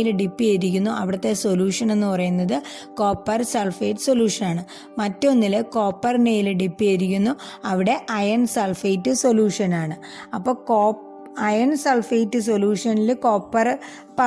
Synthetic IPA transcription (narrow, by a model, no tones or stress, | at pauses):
ilɖipːiɐɾikʲːunːuʔɐʋiɽɐt̪ːe̞so̞luːʂɐne̞nːupɐrɐjunːɐðɨ | ko̞ːpːɐrselfejʈːɨ̥so̞luːʂɐnaːɳɨ | mɐtːonːilɨko̞ːpːɐrnejilɖipːiɐɾikʲːunːuɐʋiɽe̞ʔɐjɐnselfejtːɨso̞luːʂɐnaːɳɨ | ɐpːo̞ːkoː | ɐjɐnselfejtːɨs̬o̞luːʂɐnilkoːpːɐr | pɐ